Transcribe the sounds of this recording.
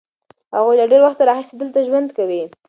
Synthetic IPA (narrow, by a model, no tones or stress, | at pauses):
haɣujlaɖeɾwaxt̪aɾɑxɪsed̪əlt̪aʒwand̪kawi